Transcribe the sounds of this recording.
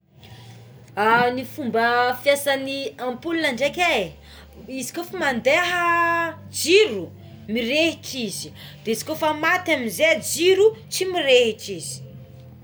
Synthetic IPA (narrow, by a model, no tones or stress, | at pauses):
anifumbəfjasaniampulunaɳɖ͡ʐekʲa | izi̥kofamand̪eɦə | d͡ʒiɾu | mirehiʈ͡ʂizi̥d̪̥eizi̥kʲofəmat̪aminzed͡ʒiɾut͡ʃimiɾeɦiʈ͡ʂizi̥